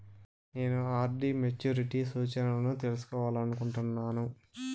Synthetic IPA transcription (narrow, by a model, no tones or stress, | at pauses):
ne̞ːnuaːɾɖimet͡ʃuːɾiʈisuːt͡ʃɐnɐlɐnut̪e̞lusu̥kɔːʋaːlɐnukuɳʈunːaːnu